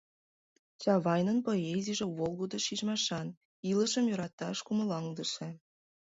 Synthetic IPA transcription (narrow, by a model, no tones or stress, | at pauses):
t͡ɕɑβɑjnənpoeziʒĕβolˠɣod̪ŏʃiʒmɑʃɑn | iləʃəmjøɾɑt̪ːɑʃkuməlɑŋd̪əʃe